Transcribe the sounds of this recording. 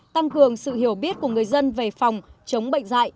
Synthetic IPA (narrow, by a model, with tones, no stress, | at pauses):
t̪a˧ŋkɨ˨˩əŋsɨ̰˧˨hi˧˩əwɓi˦˥ət̚ku˧˩əŋɨ˨˩əjzə˧nve˨˩fa˨˩wŋ͡mt͡ɕə˨˦wŋ͡mɓə̰˧˨ŋ̟za̰ː˧˨j